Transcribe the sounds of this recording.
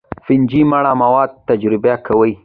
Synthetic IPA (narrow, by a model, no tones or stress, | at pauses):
fɪnd͡ʒimaɽamawɑd̪̚t̪ad͡ʒɾɪbakʰawəj